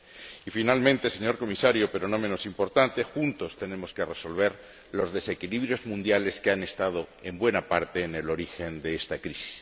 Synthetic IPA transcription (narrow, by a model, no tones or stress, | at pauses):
ifinalmẽnt̪e̞se̞ɲo̞ɾko̞misaɾjope̞ɾo̞no̞mẽno̞simpo̞ɾt̪ant̪e̞xunt̪o̞st̪e̞ne̞mo̞ske̞re̞so̞lβ̞e̞ɾ | lo̞zðe̞se̞kiliβɾjo̞zmũnd̪jale̞skeane̞st̪að̞o̞e̞mbwe̞napaɾt̪e̞ːne̞lo̞ɾixe̞nd̪e̞est̪akɾisi̥s